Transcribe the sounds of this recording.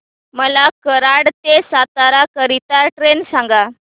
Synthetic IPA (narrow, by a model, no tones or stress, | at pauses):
məlakəɾaɽt̪esat̪aɾakəɾit̪aʈɾensãŋɡa